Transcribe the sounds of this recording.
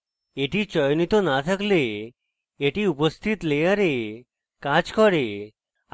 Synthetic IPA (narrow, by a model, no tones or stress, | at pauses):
eʈit͡ɕɔjnit̪onat̪ʰəkleː | ʈiupəst̪ʰit̪lejaɾe | kat͡ʃkɔɾe